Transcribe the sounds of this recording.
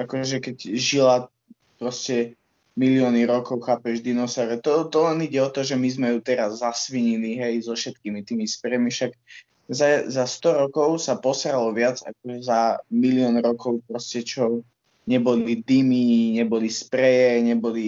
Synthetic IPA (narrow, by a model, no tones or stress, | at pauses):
ʔakɔʒɛkɛcʒila | pɾɔscɛ | milɪɔːniɾɔkɔʊxaːpɛʒd̪inɔsawɾɛt̪ɔt̪ɔlɛniɟɛɔt̪ɔʒɛmizmɛjut̪ɛɾazːasʋiɲiliɦɛjzɔfʃɛt̪̚kiːmit̪iːmispɾɛjmifʃak | zazast̪ɔɾɔkɔʊsapɔsɾalɔʋɪad͡za̰k̚ɔʒɛzamiliɔnɾɔkɔʊpɾɔscɛt͡ʃɔ | ɲɛbɔlid̪imiɲɛbɔlispɾɛjɛɲɛbɔli